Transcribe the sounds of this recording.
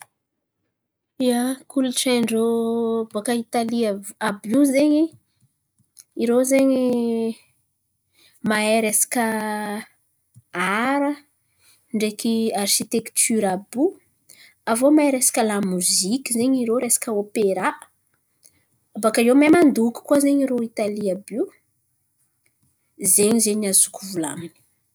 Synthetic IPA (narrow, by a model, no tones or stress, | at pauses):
iakuluʈ͡ʂeɳɖ͡ʐobakəit̪aliaabuzeɲi | iɾowzeɲi | maeɾesḁkə | aɾə | ɳɖ͡ʐekiarʃit̪ekt̪ʰyɾabu | avomaeɾesḁkʲəlamuzikʲəzeɲiɾoɾesḁkəopeɾa | abakajemamand̪uku̥kuazeɲiɾoit̪aliabu | zeɲizeɲazu̥kʰuvula̰mini̥